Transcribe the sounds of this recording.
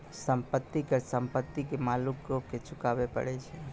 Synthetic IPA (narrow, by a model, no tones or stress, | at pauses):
sə̃mpət̪ːikəɾsə̃mpət̪ːikemalukɾoket͡ʃʰʊkaʋepə̰ɽet͡ʃʰɛ